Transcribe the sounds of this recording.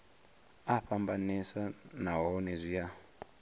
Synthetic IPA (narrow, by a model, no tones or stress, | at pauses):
aɸambanisanaɦɔnezʷija